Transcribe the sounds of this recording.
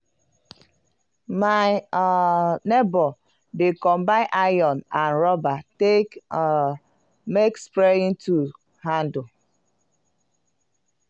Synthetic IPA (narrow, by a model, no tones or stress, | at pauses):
ma | nɛbɔ | dekɔmbãnʔajɔnãnɾɔbatek | mekspɾeĩntu | handɔ